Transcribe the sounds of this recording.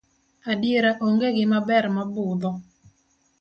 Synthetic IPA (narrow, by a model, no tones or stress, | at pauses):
adɪeɾaʔoŋɡeɡɪmabɛrmabʊd̪ɔ